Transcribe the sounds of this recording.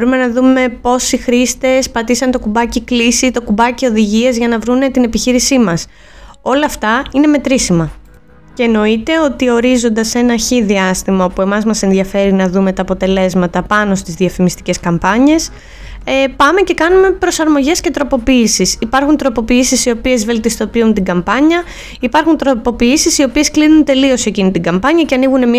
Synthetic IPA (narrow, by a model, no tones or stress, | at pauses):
ɾume̞nɐðume̞po̞sixɾist̪e̞spɐt̪isɐnt̪o̞kubɐciklisit̪o̞kubɐcio̞ðiʝiɐzʝɐnɐvɾune̞t̪ine̞piçiɾisimɐs | o̞lɐːft̪ɐine̞me̞t̪ɾisimɐ | ce̞ːno̞it̪e̞o̞t̪io̞ɾizo̞nd̪ɐse̞nɐçiðiɐst̪imɐo̞pue̞mɐzmɐse̞nðiɐfe̞ɾinɐðume̞t̪ɐːpo̞t̪e̞le̞zmɐt̪ɐpɐno̞st̪izðiɐfimist̪i̥ce̞skɐmpɐɲe̞s | epɐme̞ce̞kɐnume̞pɾo̞sɐɾmo̞ʝe̞scet̪ɾo̞po̞piisisipɐɾxunt̪ɾo̞po̞piisisio̞pie̞zve̞lt̪ist̪o̞piunt̪iɡɐmpɐɲɐ | ipɐɾxunt̪ɾopo̞piisisio̞pie̞sklinunt̪e̞lio̞secinit̪iɡɐmpɐɲɐceɐniɣune̞mi